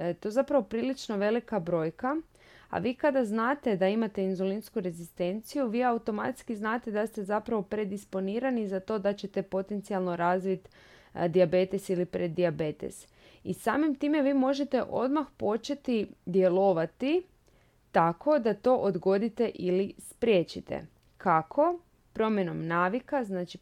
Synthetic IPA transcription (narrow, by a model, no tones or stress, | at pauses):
t̪o̞jezapɾaʋo̞pɾiːlit͡ʃno̞ʋe̞likabɾo̞ːjka | a̰ʋiːkad̪aznaːt̪e̞d̪aimat̪e̞inzolinskuɾe̞zist̪e̞nt̪sijuʋiːaut̪o̞mat̪skiznaːt̪e̞d̪ast̪e̞zapɾaʋo̞pɾe̞d̪ispo̞niːɾanizat̪o̞ːd̪at͡ɕe̞t̪e̞po̞t̪e̞nt̪sialˠno̞ɾaːzʋit̪ | d̪iabe̞t̪esilipɾed̪ːiabe̞t̪ḛs | ḭsaːmimt̪iːmeʋiːmo̞ʒe̞t̪e̞ʔo̞̰d̪maxpo̞t͡ʃe̞t̪id̪je̞lˠo̞ʋat̪i | t̪akʰo̞d̪at̪o̞ːʔod̪ɡo̞d̪it̪e̞ʔilispɾjeːt͡ʃit̪e̞̰ | kʰakʰo̞ | pɾo̞mje̞no̞mnaːʋikaznaːt͡ʃi